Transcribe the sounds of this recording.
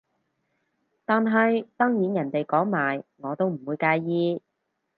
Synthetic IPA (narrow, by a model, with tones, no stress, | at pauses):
t̪aː˨nɦɐ˨jt̪ɔː˥ŋjiː˨˥njɐ˨˩nt̪e˨jkɔː˨˥ŋmaː˨˩jŋɔː˨˧t̪o˥wm̩˨˩wuː˨˧jkaː˧jjiː˥